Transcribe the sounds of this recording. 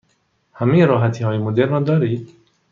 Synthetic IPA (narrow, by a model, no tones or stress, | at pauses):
hamiɾɔɦat̪ʰihɔːjimʊd̪eɾnɔd̪ɔɾid̪